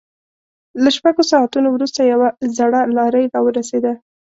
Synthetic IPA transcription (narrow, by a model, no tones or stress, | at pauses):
laʃpaɡosɑat̪unowɾust̪ajawazaɽalɑɾəjɾɑwəɾased̪a